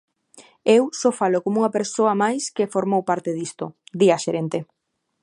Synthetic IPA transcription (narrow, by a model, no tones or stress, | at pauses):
ewsofalokomuŋɐpeɾsoɐmajskefoɾmowpaɾt̪eðist̪o̰d̪iɐʃeɾent̪e